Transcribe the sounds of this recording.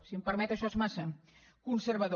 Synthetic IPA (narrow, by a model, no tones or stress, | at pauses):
siəmpəɾmɛt̪əʃɔezmasə | kunsəɾβəð